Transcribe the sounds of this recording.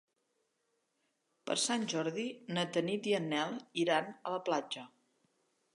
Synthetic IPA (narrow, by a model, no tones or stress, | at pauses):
pə̰ɾsanʲʒɔɾðinət̪ənid̪iənːɛlˠiɾanələplad͡ʒə